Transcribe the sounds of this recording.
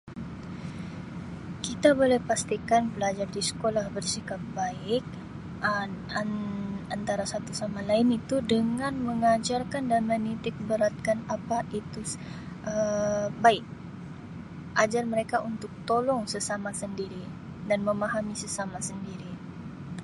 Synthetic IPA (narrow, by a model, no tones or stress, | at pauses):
kit̪abolɛhpast̪ikanbəlad͡ʒardisə̥kolahbərsikap̚baɪk̚ | aant̪aɾasat̪usamalaɪnit̪udəŋanməŋad͡ʒarkandanmənit̪ɪk̚bəɾat̪̚kanapaʔit̪u | ʔəbaɪk̚ | ʔad͡ʒarməɾekaʔunt̪ʊk̚t̪olɔŋsəsamasəndiɾi | danməmaɦamisəsamasəndiɾi